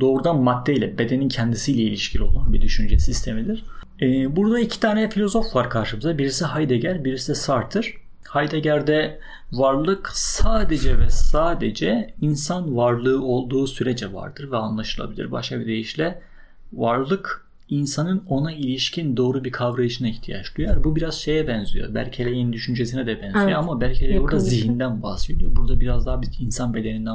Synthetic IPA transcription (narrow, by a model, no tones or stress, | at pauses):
d̪o̞ːɾud̪anmad̪ʰːejlʲɛbe̞d̪e̞nincʰɛnd̪isijlʲɛilʲiʃcʰilʲo̞lˠanbid̪yʃynd͡ʒɛsist̪ʰe̞mid̪iɾ̥ | ɛːbuɾd̪aicʰi̥t̪ʰaːnejɛfilʲo̞zo̞fvaɾkʰaɾʃɯmɯzd̪abiɾisiɦajd̪eɟæɾbiɾisɛsaɾt̪ʰːɯɾ̥ | hajd̪eɟæɾd̪ɛ | vaɾlˠɯksaːd̪e̞d͡ʒɛvɛsaːd̪e̞d͡ʒɛinsanvaɾlˠɯːo̞lˠd̪uːsyɾed͡ʒɛva̰ɾd̪̥ɯɾvɛanlˠaʃɯlˠa̰bilʲiɾba̰ʃkʰabid̪e̞jiʃlʲɛ | vaɾlˠɯk | insanɯno̞nailʲiʃcʰind̪o̞ːɾubiɾkʰavɾajɯʃɯnaiçt̪ʰija̰t͡ʃlˠujaɾbubiɾaz̥ʃe̞jɛbɛnzḭjo̰bæ̰lʲcʰelʲɛjenid̪yʃynd͡ʒesinɛd̪ɛbɛnzijoamabælʲcʰelʲebuɾd̪aziɦind̪ænba̰sved̪ijoɾbuɾd̪abiɾazd̪aːbiinsanbe̞d̪e̞nind̪æ